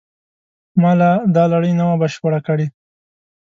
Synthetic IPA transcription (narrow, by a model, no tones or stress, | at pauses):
mɑlad̪ɑlaɽəjnawabaʃpaɽakəɽi